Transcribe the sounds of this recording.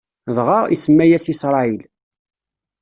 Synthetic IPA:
ðˤʁɑḭsəmːæjæsisɾˤɑil

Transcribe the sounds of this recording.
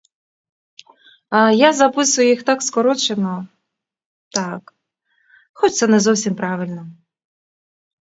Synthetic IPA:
ajazɐpɪsʊjʊjixt̪ɑkskɔɾɔt͡ʃenɔ | t̪ɑk | xɔt͡ʃʲt̪sɛnɛzɔwsʲimpɾɑʋɪlʲnɔ

